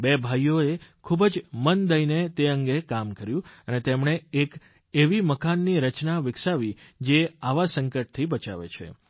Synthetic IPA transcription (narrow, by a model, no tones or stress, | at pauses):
bebʱajoekʰubəd͡ʒmənd̪əinet̪eəŋɡekamkəɾjũənet̪emɳeek | eʋiməkanːiɾət͡ʃnaʋɪksaʋid͡ʒeaʋasəŋkəʈ̚t̪ʰibət͡ʃa̰ʋḛt͡ʃʰḛ